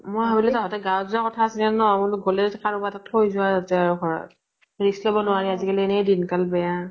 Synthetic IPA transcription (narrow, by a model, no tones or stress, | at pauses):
mojɦabilɛtɔɦɔtɛɡawzakɔtʰaːsinɛnɔamʊnɡʱolɛtɛkʰaɹubatatkojzʊazatɛaɹuɡʱɔɹɔ̰t̚ | ɹislɔbɔnʊaɹiazikaliɛnɛdinkalbɛja